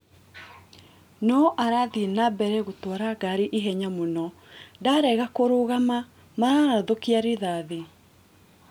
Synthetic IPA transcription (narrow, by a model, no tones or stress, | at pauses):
nɔʔaɾaðinabɛɾɛɣotwɔɾaɡaɾeʔeɦɛɲamonɔ | daɾɛɣakoɾoɣama | maɾaɾaðokeaɾeðaðe